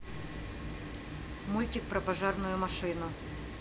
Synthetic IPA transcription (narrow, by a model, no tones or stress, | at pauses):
mulʲtʲɪk̚pɾɐpɐʐarnʊjʊmɐʂɨnʊ